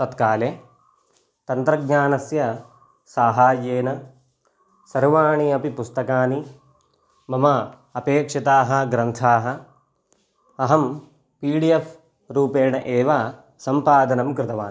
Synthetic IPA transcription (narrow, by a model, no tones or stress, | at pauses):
t̪ɐt̪kaːleː | t̪ɐnt̪ɾɐɡɲaːnɐsjɐ | saːɦaːjeːnɐ | sɐɾʋaːɳiɐpipust̪ɐkaːni | mɐmɐ | ɐpeːkʂɐt̪aːɦɐɡɾɐnt̪ʰaːɦɐ̆ | ɐɦɐm | piːɽijef | ɾuːpeːɳɐʔeːʋaː | sɐmpaːd̪ɐnɐmkɾɪt̪ɐʋaːn